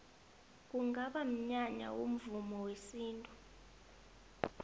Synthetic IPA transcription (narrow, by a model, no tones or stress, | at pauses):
k̬ʼuŋɡaɓam̩ɲaɲa̰wṵm̩vumɔwesiːntʼu